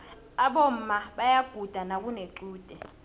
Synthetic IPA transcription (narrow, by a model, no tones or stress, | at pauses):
aɓom̩ːmaɓajaɡ̥ʱud̥ʱanakuneǃuːd̥ʱɛ